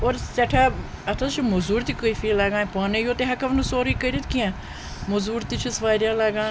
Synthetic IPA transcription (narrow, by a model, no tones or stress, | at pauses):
oːɾsɛːʈʰaː | ɐt̪ʰat͡ʃʰimozuːɾt̪ikoifiːlaɡãːpaːnejoːt̪eɦɐkəʋnusoːɾiːkəɾit̪kiãː | mozuːɾt̪it͡ʃʰisʋaːɾjãːlaɡãː